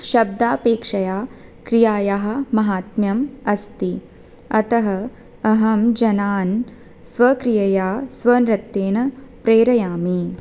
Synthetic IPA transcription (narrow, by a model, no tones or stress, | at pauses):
ʃɐb̚d̪aːpeːkʂɐjaːkɾijaːjaɦɐ̆mɐɦaːt̪mjɐmɐst̪i | ɐt̪ɐɦɐ | ɐɦɐmd͡ʒɐnaːn | sʋɐkɾijɐjaːsʋɐnɾɐt̪ːeːnɐpɾeːɾɐjaːmi